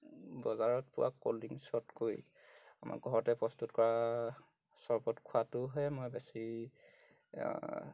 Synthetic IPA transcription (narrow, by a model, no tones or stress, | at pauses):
bɔzaɹɔtpʊwa̰kːo̰ldiŋsɔtkoj | amʔa̰kɡʱɔɹɔtɛpɹɔstutkɔɹa | sɔɹbɔtkʰʊatʊɦɔjmojbɛsi